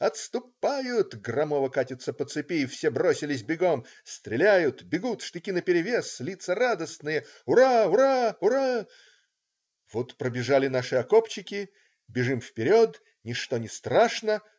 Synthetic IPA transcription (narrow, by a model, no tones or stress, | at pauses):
ɐt̪st̪ʊpːajʊt̪ɡrɐmovəkatʲɪt̪sːəpət̪sɨpʲifsʲebɾosʲɪlʲɪsʲbʲɪɡo̞m | st̪ɾʲɪlʲæjʊt̪bʲɪɡut̪ʂt̪ɨkʲinəpʲɪɾʲɪvʲeslʲit̪sərad̪əsnɨjə | ʊɾaʊɾaʊɾa | vot̪pɾəbʲɪʐalʲɪn̪aʂɨɐkopt͡ɕɪkʲɪ | bʲɪʐɨmfpʲɪɾʲot̪ | nʲɪʂt̪onʲɪst̪ɾaʂnə